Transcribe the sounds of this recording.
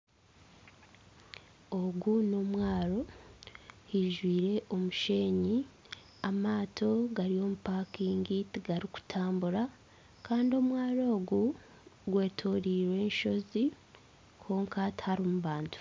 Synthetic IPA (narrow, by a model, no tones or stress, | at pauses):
o̞ɡuno̞mwaːɾo̞ | hiʒwiːɾe̞ʔo̞muʃe̞ːɲi | amaːtʰo̞ɡaɾio̞mupakiːŋɡitiɡaɾiku̥tʰaːmbuɾa | kaːndio̞mwaːɾo̞ːɡu | ɡwe̞ːtʰoːɾiːɾwe̞ːnʃo̞zi | kʰo̞ːŋkathaɾoːmuβaːntu̥